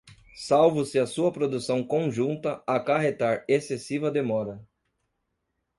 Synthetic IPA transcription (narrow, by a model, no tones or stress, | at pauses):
sawvʊsɪɐsuɐpɾod̪usɐ̃w̃kõʒũnt̪ɐakaɦet̪aɾesesivɐd̪emɔɾɐ